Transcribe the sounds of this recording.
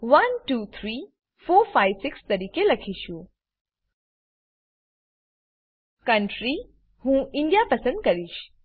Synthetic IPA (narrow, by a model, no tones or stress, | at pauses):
ʋɐnʈut̪ʰɾiː | foːɾfaɪʋsɪkst̪ɐɾiːkelɐkʰiːʃu | kɐɳʈɾi | hũːʔɪ̃ɳɖijapɐsə̃nd̪̚kɐɾiːʃ